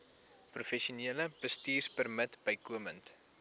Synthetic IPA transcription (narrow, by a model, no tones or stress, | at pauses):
prufɛʃuniələb̥əstiːrspərmətbəjkuəmənt